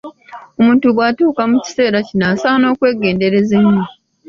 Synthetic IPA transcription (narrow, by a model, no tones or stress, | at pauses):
o̞muːntuβwaːtuːkamuci̥se̞ːɾacinaːsaːno̞ːkwe̞ːɡe̞ːnde̞ɾe̞zemːu